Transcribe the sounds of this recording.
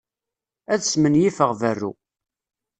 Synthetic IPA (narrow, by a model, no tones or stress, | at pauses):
æðsmənjifəʁvərːṵ